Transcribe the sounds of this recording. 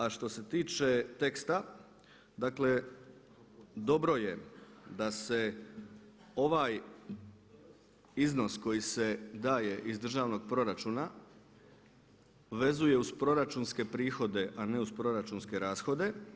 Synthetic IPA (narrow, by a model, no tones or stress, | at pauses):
aʃt̪o̞se̞t̪iːt͡ʃe̞t̪e̞kst̪a | d̪aːkle̞ | d̪o̞bɾo̞je̞d̪ase̞ | o̞ʋaːj | izno̞sko̞jise̞d̪aːje̞ʔizd̪r̩ʒaːʋno̞ɡ̚pɾo̞ɾat͡ʃuːna | ʋe̞zuje̞uspɾo̞ɾat͡ʃunske̞pɾiːxo̞d̪e̞ʔane̞uspɾo̞ɾat͡ʃunske̞ɾaːsxo̞d̪e̞